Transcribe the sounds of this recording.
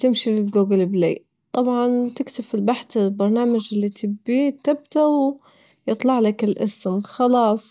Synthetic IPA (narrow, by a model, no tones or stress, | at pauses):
t̪ɪmʃilɪlɡuːɡɪlblḛː | t̪ˤɑbʕɑnt̪ɪkt̪ɪfɪlbaħt̪ɪlbɑɾˤnaːmad͡ʒɪlːit̪ʰɪbːit̪ɪb̚t̪aw | jɨt̪ˤlɑʕlakɪlʔɪ̰smxɑlɑːsˤ